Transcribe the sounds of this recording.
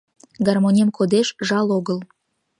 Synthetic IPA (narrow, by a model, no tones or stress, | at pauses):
ɡɑrmonʲemkʰod̪eʃʒɑloɣəl